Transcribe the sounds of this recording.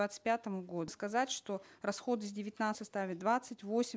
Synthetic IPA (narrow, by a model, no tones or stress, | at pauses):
at̪sɨ̥t̚ʲpʲat̪əmʊɡo̞d̪ʊskɐzatʲʂt̪o̞rɐsxo̞d̪ɨzʲdʲɪvʲɪt̪ʲnat̪sɨtʲst̪avʲɪt̪d̪vat̪sɨtʲvo̞sʲ